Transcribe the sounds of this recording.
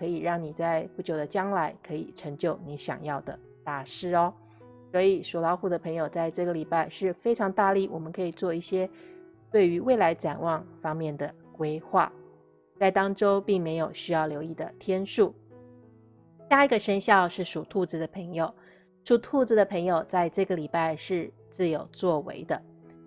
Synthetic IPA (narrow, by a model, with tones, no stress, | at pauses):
kʰɤ˧˥i˨˩ɻɑ˥˩ŋni˨˩t͡sa˥˧ɪpu˥˩t͡ɕjo˨˩ʊd̪ə˦t͡ɕjɑ˥ŋla˧˥ɪkʰɤ˧˥ḭ˨˩ʈ͡ʂʰɤ˧˥ŋt͡ɕjo˥˩ʊni˧˥ɕjɑ̰˨˩ŋjɑ˥˩ʊd̪ə̰˩ | t̪a˥˩ʂɻ̩˥ɔ˧ | swɔ˧˥i˨˩ʂu˨˩lɑ˧˥ʊxu˥˩d̪ə˩pʰɤ˧˥ŋjo˨˩ʊt͡sa˥˧ɪʈ͡ʂɤ˥˩ɡə˩li˨˩pa˥˧ɪʂɻ̩˥˧fe˥ɪʈ͡ʂʰɑ˧˥ŋt̪a˥˧li˥˩wʔɔ˨˩mə˦nkʰɤ˧˥i˨˩t͡swɔ˥˧i˥˩ɕjɛ˥t̪we˥˩ɪy˧˥we˥˩ɪla˧˥ɪʈ͡ʂa̰˨˩nwɑ˥˩ŋfɑ˥ŋmjɛ˥˩nd̪ə˩kwe˥ɪxwa̰˥˩ | t͡sa˥˩ɪt̪ɑ˥ŋʈ͡ʂo˥ʊpi˥˩ŋme˧˥ɪjo˨˩ʊɕy˥jɑ˥˩ʊljo˧˥ʊi˥˩d̪ə̰˩t̪ʰjɛ˥nʂu˥˩ | ɕja˥˧i˧˥ɡə˧ʂə˥nɕjɑ˥˧ʊʂɻ̩˥˩ʂu˨˩t̪ʰu˥˩t͡sɹ̩˧˩d̪ə˨pʰɤ˧˥ŋjo˨˩ʊ | ʂu˨˩t̪ʰu˥˩t͡sɹ̩˧˩d̪ə˩pʰɤ˧˥ŋjo˨˩ʊt͡sa˥˧ɪʈ͡ʂɤ˥˩ɡə˩li˨˩pa˥˧ɪʂɻ̩˥˧ | t͡sɹ̩˥˩jo˨˩ʊt͡swɔ˥˩wḛ˧˥ɪd̪ə˧